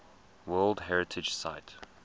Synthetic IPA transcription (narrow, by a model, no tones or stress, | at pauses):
wɜːlˠdɦɛɹɨtʰɪ̥ʒ̥sa̰ɪt